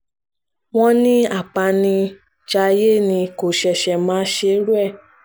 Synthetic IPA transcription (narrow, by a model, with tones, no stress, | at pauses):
w̃ɔ̃˦nĩ˦a˦˨k͡pa˧nĩ˧ | d͡ʒa˧je˦˨nĩ˧ko˨ʃɛ˧ʃɛ˧˨mãː˨˦ʃe˧˦ɾu˦ɛ˦˨